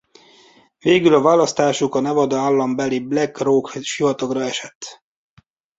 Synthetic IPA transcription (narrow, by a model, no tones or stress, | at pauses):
veːɡylɒvaːlɒst̪aːʃukɒnɛvɒd̪ɒaːlːɒmbɛliblɛkroːkʃivɒt̪okrɒɛʃɛt̪ː